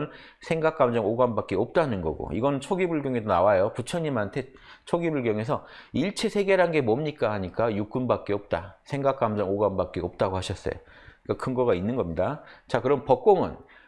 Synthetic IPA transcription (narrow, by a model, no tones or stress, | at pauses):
n | sʰe̞ŋɡak͈̚amd͡ʑʌŋoɡanbak͈eʌp̚t͈anɯnɡʌ̰ɡo̰iɡʌnɯnt͡ɕʰoɡibɯɭɡjoŋe̞donawajoput͡ɕʰʌɲimantʰe̞ | t͡ɕʰoɡibɯɭkjʌŋe̞s̬ʰʌiɭt͡ɕʰe̞sʰe̞ɡe̞ɾɦanɡe̞mʌmɲik͈ahaɲik͈ajuk͈̚ɯnbak͈eʌp̚t͈asʰe̞ŋɡak͈̚amd͡ʑʌŋoɡambak͈eʌp̚t͈aɡohaɕʰʌs͈ʌ̰jo̰k͈akʰɯnɡʌɡainːɯnɡʌmɲidat͡ɕakɯɾʌnpʌk̚k͈oŋɯ̰n